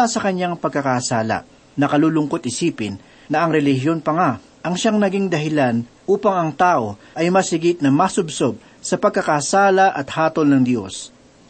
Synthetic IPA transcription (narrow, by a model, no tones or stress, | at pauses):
asɐkɐɲaŋpɐɡ̚kːɐkasaːlɐ̰ | nɐkɐluːlʊŋko̞t̪̚ɪsiːpɪnː | ɐʔɐŋɾɛlɪɦjo̞npɐŋa | ʔɐŋʃaŋnɐɡiŋd̪ɐɦɪlanʔuːpɐŋɐŋt̪aːʔo̞ | ʔɐjmɐsɪɡɪt̪̚nɐmasʊbsob̚ | sɐpɐɡ̚kːɐkasaːlɐʔɐt̪haːt̪o̞lnɐŋd̪jo̞̰s